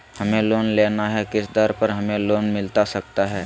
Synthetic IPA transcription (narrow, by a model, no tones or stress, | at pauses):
hɐmẽloːnleːnaɦɛkɪsd̪əɾpəɾɦɐmẽloːnmɪlt̪asɐk̚t̪aɦɛː